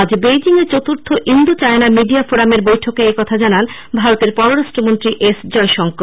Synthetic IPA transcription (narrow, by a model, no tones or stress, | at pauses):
d͡ʑbejd͡ʑiŋet͡ɕot̪uɾt̪ʰoʔind̪ut͡ɕaenamiɖiafoɾameɾbojʈʰokeekɔt̪ʰad͡ʑanan | bʱaɾot̪eɾpɔɾoɾaʃʈɾomont̪ɾiʔesd͡ʑɔeʃɔŋko